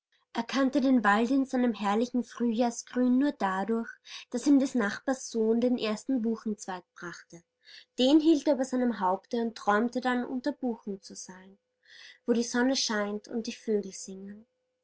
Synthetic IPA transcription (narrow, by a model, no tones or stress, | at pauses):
ʔeːɐkʰantədeːnvaldɪnzaɪnəmhɛɐlɪçn̩fʁ̥yːjaːɐsɡ̥ʁyːnːuːɐdadʊɐçd̥asiːmdɛsnaχb̥aɐsz̥oːndeːnʔeːɐstn̩buːxn̩t͡sv̥aɪt̚b̥ʁaχtə | d̥eːnɦiːlteːɐybɐzaɪnəmɦaʊptəʊntːʁ̥ɔʏmtədanʔʊ̰ntɐb̥uːxn̩t͡suz̥aɪn | voːɾiːzɔnəʃaɪntʊ̰nt̚d̥iːføːɡl̩z̥ɪŋən